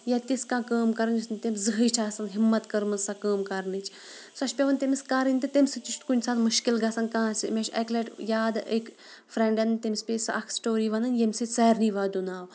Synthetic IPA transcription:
jat̪iskãːkəːmkɐɾnisnt̪emzɨɦəjʈʰaːsɐnɦimːɐt̪kɐɾmɐsakəːmkɐɾnɨt͡ʃ | sɐʃpʲeʋɐnt̪emiskaɾɨnʲt̪ɨt̪emʲsɨt͡ʃiʃʰt̪kunʲsaːt̪mɨʃkilɡasɐnkãːsʲimʲeʃɛklɐʈjaːd̪ek | fɾeɳɖɐnt̪emispʲesɨ̰ʔɐkʰsʈoːɾiːʋɐnɨnjemsɨt͡sɐːɾniʋaːd̪unaːʋ

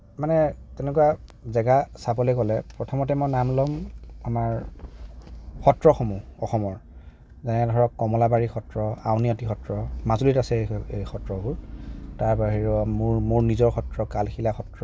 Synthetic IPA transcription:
manɛtɛnɛkuwazɛɡasabɔlojkɔlɛpɹɔtʰɔmɔtɛmɔjnamlɔmamaɹ | xɔtɹɔxomuɔxɔmɔɹ | zɛnɛdʱɔɹɔkːɔmɔlabaɹixʰɔtɹɔa̰wniɔtixʰɔtɹɔmazulitasɛexɔtɹɔɡʊɹtaɹbaɦiɹɔmuɹmuɹnizɔɹxʰɔtɹɔkalxʰilaxɔtɹɔ

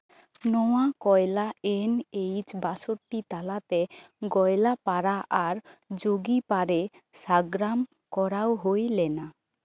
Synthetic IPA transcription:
nɔwakɔjlaenejt͡ʃbasoɾʈit̪alat̪ɛ | ɡɔjlapaɾaʔaɾd͡ʒoɡipaɾesaɡɾam | kɔɾawɦojlɛna

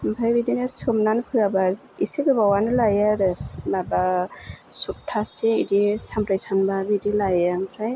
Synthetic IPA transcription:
mpʰajbidinɯsɯmnanpʰɯabazisikɯbawanɯlajaɾɯmaba | sutʰːaseidisampɾejsanbabidilajampʰaj

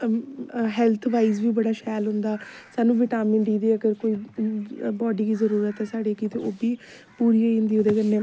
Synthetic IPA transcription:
ɦɛːlt̪ʰʋaːiːzbiːbəɽaːʃɛːlɦʊ̃nd̪aːsaːnũːʋɪʈaːmɪnd̪iːd̪iːəɡəɾkoːiː | bɔːɖiːkiːzəɾuːɾət̪ɦɛːsaːɖeːkiːt̪eʔoːbiː | puːɾiːoĩnd̪iːoːd̪eːkəneː

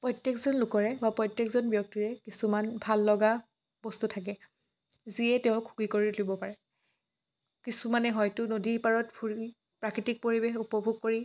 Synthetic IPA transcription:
pɹɔjtjekzɔnlʊkɔɹɛbapɹɔjtːjekzɔnbjɔk̚tiɹɛkisumanbʱalːɔɡa | bɔstutʰak̬ɛ | ziɛtɛʊ̃kʰːu̥kikoɹilobɔpaɹɛ | kisumanɛɦɔjtʊnodipaɹɔtpʰu | pɹakɹitik̚poɹibexupɔbʱuɡ̚koɹi

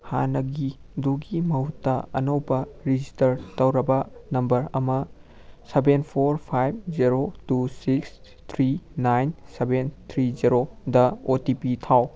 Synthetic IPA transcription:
hanɐɡiduɡimɐɦutːɐɐ̰nɐwbɐɾid͡ʒistɐɾtɐwɾɐbɐnɐmbɐɾɐmɐ | sebenpʰoɾpʰajb̚d͡ʒiɾotusiks | t̪ʰɾinajnsebent̪ʰɾiziɾodɐotipitʰaw

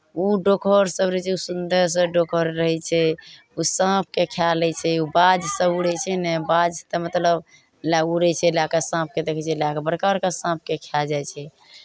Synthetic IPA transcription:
uɖokʰəɾsəbɾət͡ʃʰɛusund̪əɾs̬əɖokʰəɾɾəɦɛt͡ʃʰɛ | usãp̚ʰkekʰjalɛt͡ʃʰɛubad͡ʒsəbuɾɛt͡ʃʰɛnɛbad͡ʒt̪əmət̪ləb | lauɾɛt͡ʃʰɛlakasãp̚ʰked̪ekʰɛt͡ʃʰɛlakabəɽkabəɾkəsãp̚ʰkekʰjald͡ʒajt͡ʃʰɛ

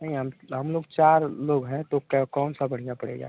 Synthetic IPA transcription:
nəɦĩɦəmɦəmloːɡt͡ʃaːɾloːɡɦɛ̃t̪okkɔːnsabəɽ̤ijãpəɽ̤ḛɡa̰ː

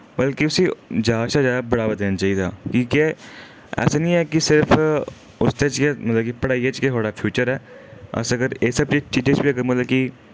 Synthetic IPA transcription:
bɐlkiʊsid͡ʒaːʃad͡ʒaːd̪abɐɽabɐt̪eːnat͡ʃaːid̪aːkĩːkɛ | ɛ̰ːsanĩɦɛkisɪɾfʰ | ʊst̪et͡ʃkemɐt̪ləbkipɐɽaːiet͡ʃkeɦoːɽapʰjuːt͡ʃəɾɦɛːɐ̰sɐɡəɾeːksɐb̚t͡ʃet͡ʃiːd͡ʒet͡ʃbʱiɐɡəɾmɐt̪ləb̚ki

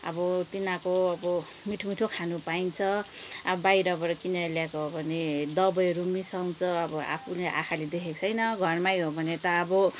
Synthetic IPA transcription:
ʌ̰bʌt̪inakoʌbʌ | miʈʰomiʈʰokʰanupaint͡sʰʌabʌbajɾʌbʌɾʌkinaljakoɦobʱʌned̪ʌbʌjʌɾumisaw̃t͡sʰʌːbʌa̰pʰuleʔa̰kʰaled̪ekʰet͡sʰʌjnʌɡʱʌrmajɦobʱʌnet̪ʌːbʌ

